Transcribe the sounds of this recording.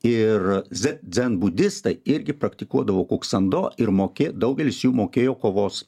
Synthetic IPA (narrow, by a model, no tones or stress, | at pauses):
ɪrzʲɛzʲɛnbʊd̪ʲɪst̪ɐɪɪɾʲɡʲɪpɾɐkt̪ʲɪkuɔd̪ɐʋoːkuːksɐnd̪oːɪɾmoːkʲeːd̪ɐʊɡʲɛlʲɪsjuːmoːkʲeːjoːkoːʋoːs